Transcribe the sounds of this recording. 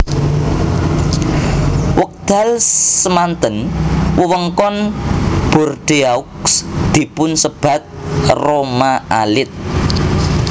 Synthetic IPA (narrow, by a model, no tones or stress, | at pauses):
wək̚d̪̥a̤lsəmant̪ənwəwəŋkɔnb̥ɔ̤rd̪̥eauksd̪̥i̤pʊnsəb̥ä̤t̪̚romaa̰lɪt̪̚